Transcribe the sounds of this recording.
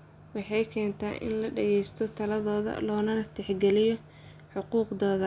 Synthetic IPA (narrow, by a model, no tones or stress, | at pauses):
wɑħɑjkʰɛːnt̪ʰa̰ːʔɪ̰nlɐɖɛɣɛjst̪ʰɔt̪ʰɐlɐðɔːðɐ̰lɔːnɐnɐt̪ʰɛħɡɛlɪjɔ | ħʊquːqðɔːðɐ